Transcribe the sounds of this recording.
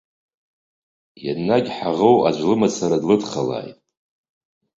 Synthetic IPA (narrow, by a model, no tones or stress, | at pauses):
ja̰nːaɡʲħaʁowa̰d͡ʒʷlɨmat͡sʰaɾadlɨdχala̰ːjtʼ